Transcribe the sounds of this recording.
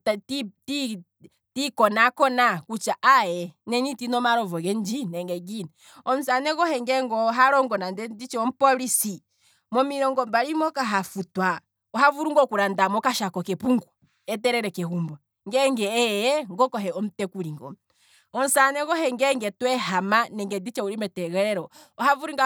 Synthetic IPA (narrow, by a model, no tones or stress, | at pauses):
ttiti | tikɔnakɔnakut͡ʃaʔajɛnɛnitinɔmaɾɔvɔɡɛnd͡ʒinɛŋɡɛɡinɛ | ɔm̩sanɛkɔhɛŋɡɛŋɡɔɦaɾɔŋɡɔnandɛdit͡ʃɛɔm̩pɔlisi | mɔmiɾɔŋɡɔmbalimɔkaɦafutwa | ɔɦavuɾuŋɡɔkuɾandamɔkaʃakɔkɛpuŋɡu | ɛt̬ɛɾɛɾɛkɛɦumba | ŋɡɛŋɡɛɛjɛŋɡɔkɔɦɛɔm̩tɛkuɾiŋɡɔ̰ | ɔn̩sanɛɣɔhɛŋɡɛŋɡɛtwɛɦamanɛŋɡɛdit͡ʃɛuɾimɛtɛɣɛɾɛɾɔ | ɔhavuɾiŋɡa